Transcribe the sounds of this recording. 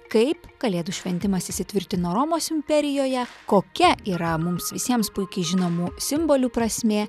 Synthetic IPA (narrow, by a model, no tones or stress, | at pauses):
kɐɪpɡ̥ɐlʲeːd̪uʃʲʋʲɛnʲt̪ʲɪmɐsɪsʲɪt̪ʲʋʲɪɾʲkt̪ʲɪnoːɾoːmoːsɪmʲpʲɛɾʲɪjoːjɛkoːkʲɛiːɾɐmʊmsʋʲɪsʲiɛmspʊɪkʲɛɪʒʲɪnoːmuːsʲɪmboːlʲuːpɾɐsʲmʲeː